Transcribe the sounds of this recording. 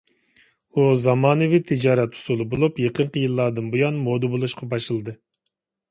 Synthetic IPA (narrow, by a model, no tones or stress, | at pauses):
uzɑmɑːnɨvit̪ʰɪd͡ʒɑːɾɛt̪u̥sulˠɨbolˠupjeqəɴqəjɨlˠːɑd̪ɨnbujɑnmod̪ɨbolˠuʃqʰɑbɑʃlɨlˠɨd̪ɨ